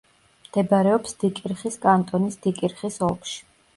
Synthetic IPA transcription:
md̪̥ɛbaɾɛɔpsd̪̥ikʼiɾχiskʼant̪ʼɔnisd̪ikʼiɾχisɔlˠpʃi̥

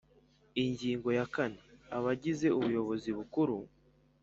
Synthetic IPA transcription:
iɲɟiːŋɡo̞jakaneaβaɟize̞uβujo̞βo̞ziβukuɾu

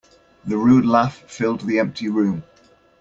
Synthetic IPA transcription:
ðəɹʉːdˡlaffɪlˠd̪ðiɛ̃mp̚tʰiɹʉ̃ːm

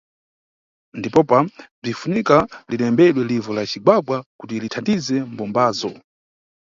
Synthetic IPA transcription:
ndipɔpab͡ʐifunikaliɗɛmbɛɗwɛlivɔlat͡ʃiɡwaɡwakutilitʰandizɛm̩bɔmbaːzɔ

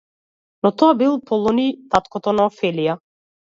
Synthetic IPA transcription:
nɔt̪ɔabilˠɔpɔlˠɔnit̪at̪kɔt̪ɔnaɔfɛlija

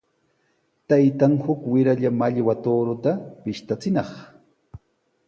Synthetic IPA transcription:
t̪ajt̪aŋhʊkwɪɾaʎamaʎwat̪oɾʊt̪apɪʃt̪at͡sɪnɑχ

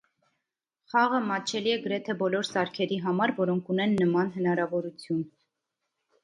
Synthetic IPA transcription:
χɑʁəmɑt͡ʃʰɛliɛɡəɾɛt̪ʰɛbɔlɔɾsɑɾkʰɛɾiɦɑmɑɾvɔɾɔŋkʰunɛnːəmɑnɦənɑɾɑvɔɾut͡sʰjun

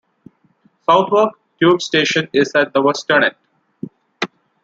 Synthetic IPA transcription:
saʊt̪ʰʋəɾk | ʈjuːbsʈeːʃə̃nɪzæʈ̚d̪əʋɛsʈənẽʈ

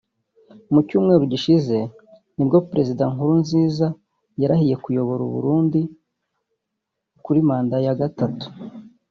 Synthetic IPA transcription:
umucuːmŋe̞ːɾuɟiʃize̞ | nibɡo̞pɾe̞zidaŋhuɾunziːza | jaɾahije̞kujo̞βo̞ɾṵβṵɾuːndi | kuɾimaːndajaɡatatu̥

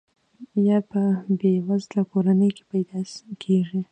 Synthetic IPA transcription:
jɑpəbewazlakoɾanəjke̥pajd̪ɑkʰeʐi

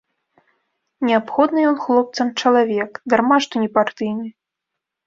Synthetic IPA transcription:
nʲɛapxɔd̪nɨjɔnxlˠɔp̚t̪sɐmt͡ʂɐlˠavʲɛkd̪armaʂt̪unʲɛpart̪ɨjnʲi

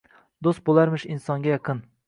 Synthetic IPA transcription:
d̪ost̪̚bolˠaɾmɪʃinsɒŋɡʲajɑqʰɨn

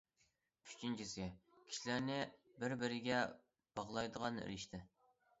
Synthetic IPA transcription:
yt͡ʃʰint͡ʃʰisɪkʲʰi̥ʃilæɾnɪbɪɾbɪɾɪɡʲɛ | b̥ɑʁlˠɑjd̪əʁɑnḛɾɪʃt̪ʰɪ

